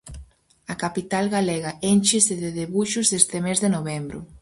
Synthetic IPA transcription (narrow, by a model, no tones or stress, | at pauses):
ɐkapit̪alɣaleɣaent͡ʃɪsɪðɪðeβuʃʊzest̪emezðɪnoβembɾʊ̰